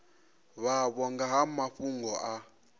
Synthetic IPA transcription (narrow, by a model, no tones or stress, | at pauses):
βaβɔŋɡaɦamaɸuŋɡɔʔa